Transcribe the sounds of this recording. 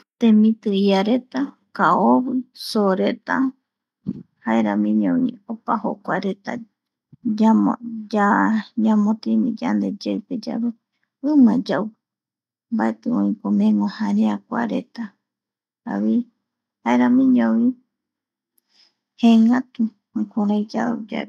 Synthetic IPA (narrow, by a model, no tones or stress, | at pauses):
t̪ẽmĩt̪ɨiaɾet̪a | kaoβɨsoɾet̪a | haeɾãmĩɲõwḭ̃opaho̰kʷaɾet̪a̰ | amod͡ʒaɲamõt̪imḭ̃d͡ʒa̰nd̪e̞d͡ʒeɨped͡ʒa̰βɨ | ɨ̃mãd͡ʒaw | mbaet̪ɨõĩpomẽŋõhãɾeakʷa̰ɾḛt̪a | a̰βi | haeɾamĩɲõwĩ | heŋãt̪ũ | kuɾãjd͡ʒawd͡ʒa̰e